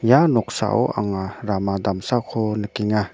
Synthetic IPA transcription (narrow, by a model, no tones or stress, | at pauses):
janɔk̚sa̰ʔɔ̰ʔa̰ŋaɾamad̪amsakʰɔnəkiŋa